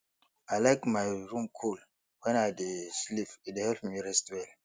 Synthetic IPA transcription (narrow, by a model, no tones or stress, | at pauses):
alaɪkmajɹũmkʰul | wɛ̃najdeslifidehɛlpmiɹɛstwɛl